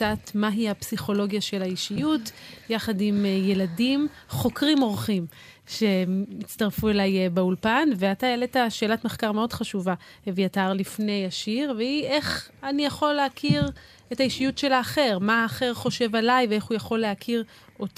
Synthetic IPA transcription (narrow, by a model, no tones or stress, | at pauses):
atmaɦihapsiχo̞lo̞ɡjaʃe̞lhaiʃijutjaχadimje̞ladim | χo̞kʁimo̞ʁχim | ʃe̞it͡staʁfuelajbeulpanveatajeletaʃe̞ːlatmeχkaʁmeo̞dχaʃuvavejataʁlifne̞jaʃiʁveiʔeχanijaχo̞lːeakʰiʁ | etaiʃijutʃe̞laːχe̞ʁmaːχe̞ʁχo̞ʃe̞valajvee̞χujaχo̞lːeakʰiʁ | ʔo̞t